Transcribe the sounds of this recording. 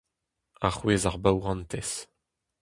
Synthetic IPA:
aχweːzaʁbawʁɑ̃nt̪ɛs

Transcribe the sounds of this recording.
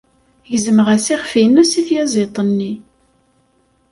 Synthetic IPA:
jəzəməʁæsiχfiənæsiθjæzˤet̪ˤənːi

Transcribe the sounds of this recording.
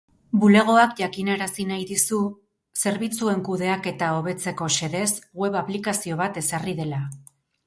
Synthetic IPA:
bule̞ɣ̞o̞akʝakine̞ɾasinajðisu | se̞ɾβit͡sue̞ŋkuðe̞ake̞t̪ao̞β̞e̞t͡se̞ko̞se̞ðe̞sɣwe̞βaplikasio̞β̞at̪e̞sariðe̞la

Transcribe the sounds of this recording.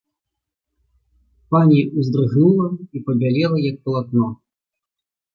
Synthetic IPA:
panʲiʔuzd̪ɾɨɣnulˠɐipɐbʲalʲɛlˠɐjɐk̚pɐlˠat̪nɔ

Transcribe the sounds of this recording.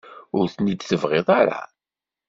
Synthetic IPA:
ʊɾθnid̪θəvʁɪðˤaɾa̰

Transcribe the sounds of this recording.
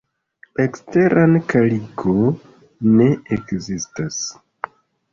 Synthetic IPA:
ekste̞ɾʔankaliɡo | ne̞ekzistas

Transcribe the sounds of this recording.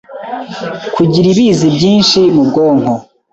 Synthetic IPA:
kʰuɟiɾiβiːzibɟiːnʃimubɡoːŋ̥ho

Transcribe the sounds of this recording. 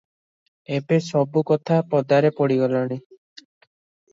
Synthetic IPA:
ebesɔbukɔt̪ʰapɔd̪aɾepɔɽiɡɔlaɽ̃i

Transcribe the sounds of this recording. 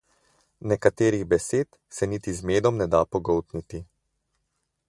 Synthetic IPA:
nɛkat̪eːɾiɣbɛseːt̪ | sɛnit̪izmeːd̪ɔmnɛd̪apɔɡɔwt̪nit̪i

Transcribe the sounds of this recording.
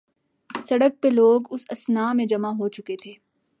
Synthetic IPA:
sɐɽək̚peloːɡʊsɐsnaːmẽd͡ʒɐmaɦot͡ʃʊket̪ʰeː

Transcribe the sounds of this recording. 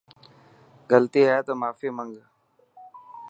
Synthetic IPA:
ɡəlt̪iːɦɛt̪oːmaːfiːməŋɡ

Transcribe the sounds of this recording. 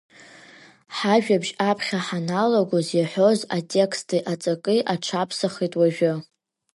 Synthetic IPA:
ħaʒᶣabʒapʰχʲaħanaloɡozjaħʷo̞zatʼe̞kʰstʰʼiʔat͡sʼakʼɨʔaʈ͡ʂʰapʰsaχitʼwaʒᶣʊ

